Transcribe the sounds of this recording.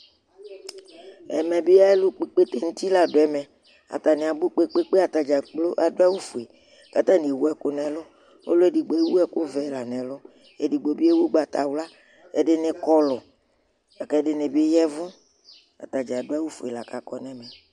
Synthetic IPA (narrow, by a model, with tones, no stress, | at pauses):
ɛ̰˨mɛ̃˨be˦a˦e˦lu˦k͡pe˦k͡pe˦t̪e˦ŋũ˦t̪i˦la˨ɖo˨ɛ˨mɛ̃˨ | a̰˨t̪a˨ne˨a˨ɡ͡bu˦k͡pe˦k͡pe˦k͡pe˦a˨t̪a˨d͡ʒa˨k͡plo˦ʔa˨do˦a˦wu˦fu˨e˨ | ka˦t̪a˦nĩ˨e˨wu˦ɛ˦ko˦nɛ̃˨lʊ˦ | o̰˦lo˦e˨di˨ɡ͡bo˨e˦wu˦ɛ˦ko˦vɛ˦˨la˨nɛ̃˨lʊ˦ | e˨di˨ɡ͡bo˨bi˦e˦wu˦ɡ͡ba˨t̪a̰˨wla˦ | e˨ɖɪ˦ne˨kɔ˦lɔ˨ | a˨kɛ˦ɖɪ˨ne˨be˦jɛ˦vʊ̃˦ | a̰˨t̪a˨d͡ʒa˨do˦a˦wu˦fu˨e˨la˨ka˨kɔ˦nɛ̃˦mɛ̃˨